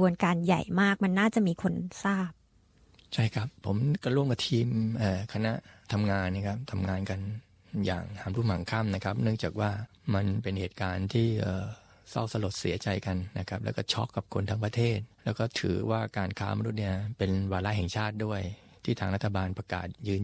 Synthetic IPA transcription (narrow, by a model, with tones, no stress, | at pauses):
u˧ənkaː˧nja˨˩jmaː˥˩k̚ma˧nːaː˥˩t͡ɕa˨˩ʔmiː˧kʰo˧nsaː˥˩p̚ | t͡ɕʰa˥˩jkʰɾa˦˥pʰːo˩˦mka˧ɾu˥˩əmka˧˩t̪ʰiː˧mʔəː˨˩kʰa˧na˦˥ʔt̪ʰa˧mŋaː˧nːa˦˥kʰa˦˥p̚t̪ʰa˧mŋaː˧nka˧n | ja̰ː˨˩ŋhaː˩˦nɾu˥˩ma˩˦ŋkʰa˥˩mna˦˥kʰa˦˥p̚nɯ˥˩əŋt͡ɕaː˨˩k̚waː˥˩ | ma˧npe˧nheː˨˩t̪̚kaː˧nt̪ʰiː˥˩ʔəː˨˩ | sa̰˥˩wsa˧lo˨˩t̪̚sḭ˩˦ɐt͡ɕa˧jka˧nːa˦˥kʰa˦˥p̚lɛ̰ː˦˥wkɔː˥˩t͡ɕʰɔ̰˦˥kːa˨˩p̚kʰo˧nt̪ʰaː˧ŋpɾa˧t̪ʰeː˥˩t̪̚lɛː˦˥wkɔː˥˩t̪ʰɯ̰ː˩˦waː˥˩kaː˧nkʰaː˦˥ma˧nu˦˥t̪̚ni˥˩ɐpe˧nwaː˧la˦˥ʔɦɛ˨˩ŋt͡ɕʰaː˥˩t̪̚du˥˩əj | t̪ʰiː˥˩t̪ʰaː˧ŋɾa˦˥t̪ʰːa˧baː˧npɾa˧ka̰ː˨˩t̪̚jɯː˧n